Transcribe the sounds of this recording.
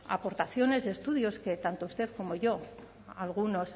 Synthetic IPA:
a̰po̞ɾt̪aθjo̞ne̞zðe̞st̪uð̞jo̞ske̞t̪ant̪oust̪e̞ðko̞mo̞ʝo̞ | alɣ̞uno̞s

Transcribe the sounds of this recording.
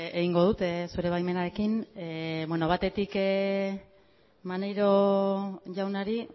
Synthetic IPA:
eɣiŋɡo̞ð̞ut̪esuɾe̞β̞ajme̞naɾe̞kineβweno̞β̞at̪e̞t̪ik | manejɾo̞ | ʝawnaɾi

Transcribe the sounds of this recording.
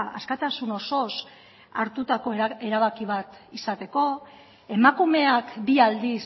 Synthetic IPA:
a̰skat̪asuno̞so̞s | a̰ɾt̪ut̪ako̞e̞ɾaβ̞akiβ̞at̪isat̪e̞ko̞ | e̞makume̞akbiald̪is

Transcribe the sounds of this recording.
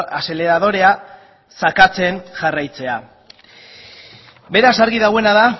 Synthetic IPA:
ase̞le̞ɾaðo̞ɾe̞a | sakat͡se̞nʝarajt͡se̞a | be̞ɾasaɾɣiðaɣwe̞naða

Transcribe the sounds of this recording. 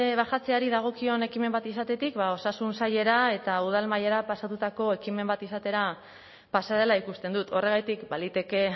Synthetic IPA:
βaxat͡se̞aɾiðaɣ̞o̞kio̞ne̞kime̞mbat̪isat̪e̞t̪ikβao̞sasunsaʎe̞ɾae̞t̪auð̞almajeɾapasat̪ut̪ako̞e̞kime̞mbat̪isat̪e̞ɾa | pasaðe̞laikust̪e̞nd̪ut̪o̞re̞ɣ̞ajt̪ikbalit̪e̞ke̞

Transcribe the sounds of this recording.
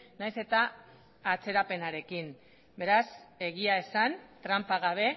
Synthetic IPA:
najse̞t̪aː | t͡se̞ɾape̞naɾe̞kin | be̞ɾase̞ɣiae̞sant̪ɾampaɣ̞aβ̞e̞

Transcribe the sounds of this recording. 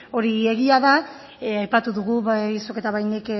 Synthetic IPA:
o̞ɾie̞ɣiaða | ajpat̪uðuɣuβasoke̞t̪aβajnik

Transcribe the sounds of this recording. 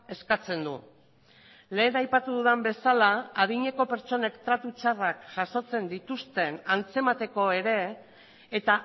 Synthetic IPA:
e̞skat͡se̞nd̪ṵ | le̞ːnajpat̪uðuðembe̞salaːðiɲe̞ko̞pe̞ɾt͡ʃo̞ne̞kt̪ɾat̪ut͡ʃarakʝ̥aʃo̞t͡se̞nd̪it̪ust̪e̞nant͡se̞mat̪e̞ko̞e̞ɾe̞ː | t̪a

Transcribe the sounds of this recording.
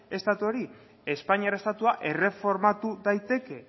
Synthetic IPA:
e̞st̪at̪uo̞ɾi | e̞spaɲiaɾaest̪at̪uaʔe̞re̞fo̞ɾmat̪uðajt̪e̞ke̞

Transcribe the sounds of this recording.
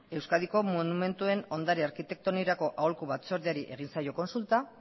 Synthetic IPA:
e̞wskaðiko̞monume̞nt̪ue̞no̞nd̪aɾiaɾkit̪e̞k̚t̪o̞niɾako̞ʔaolkuβat͡so̞ɾðiaɾiʔe̞̰ɣ̞insajo̞ko̞nsult̪a

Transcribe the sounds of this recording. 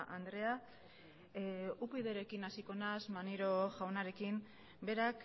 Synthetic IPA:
ʔand̪ɾe̞a | upiðe̞ɾe̞kinasiko̞nazmaniɾo̞ʝawnaɾe̞kim | be̞ɾak

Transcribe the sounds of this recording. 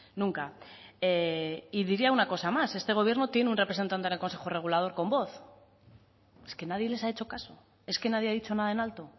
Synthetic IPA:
nũŋkaeiðiɾiaunako̞samase̞st̪e̞ɣ̞o̞β̞je̞ɾno̞t̪je̞neunre̞pɾesent̪ant̪enelko̞nse̞xore̞ɣ̞ulað̞o̞ɾko̞mbo̞θ | e̞ske̞nað̞je̞le̞sae̞t͡ʃo̞kaso̞ | e̞ske̞nað̞jeaðit͡ʃo̞naðaenalt̪o̞

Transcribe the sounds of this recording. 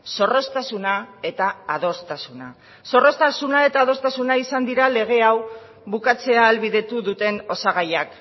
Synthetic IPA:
so̞ro̞st̪asunae̞t̪aːð̞o̞st̪asuna | so̞ro̞st̪asunae̞t̪aːð̞o̞st̪asunaisand̪iɾale̞ɣ̞e̞aw | βukat͡se̞aːlβiðe̞t̪uðut̪e̞no̞saɣajak

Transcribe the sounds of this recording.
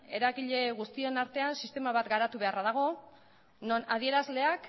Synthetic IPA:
e̞ɾaɣiʎe̞ɣust̪ienaɾt̪e̞ansist̪e̞maβat̪ɡaɾat̪uβe̞araðaɣ̞o̞ | nonaðie̞ɾazle̞ak

